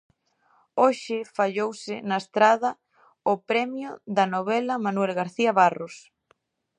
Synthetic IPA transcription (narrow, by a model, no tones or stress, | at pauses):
oʃɪfaʎowsɪnaest̪ɾaðɐ | ʊpɾɛmjʊðɐnoβ̞ɛlɐmanwɛlɣaɾθiɐβaros